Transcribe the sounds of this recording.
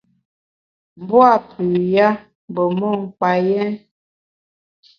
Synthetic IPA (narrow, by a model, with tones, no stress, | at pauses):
m˨bwa˦˨pʉ˨ja˦ | m˨bə˨mɔ˦˨ŋ̩˨k͡pa˨jɛ˦n